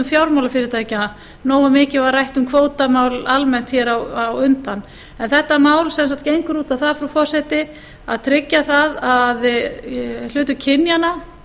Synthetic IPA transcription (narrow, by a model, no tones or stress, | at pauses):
ʏmfjawɾmawlafɪɾɪɾt̪ʰaːjcɪa | noːwamɪːcɪvarajht̪ʏmkʰvoːwt̪amaːwlalmɛn̥t̪çɛɾawawʏnt̪anː | ɛnθɛht̪ːamaːwlsɛns̬aht̪̚cejŋkʏɾuːt̪aθaðfɾawfɔ̥sɛt̪ɪ | a̰ðt̪ʰɾɪcːaθaðað | l̥ʏːt̪ʏcʰɪnjana